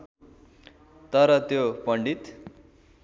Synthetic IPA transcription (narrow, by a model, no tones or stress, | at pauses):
t̪ʌɾʌt̪jopʌɳɖit̪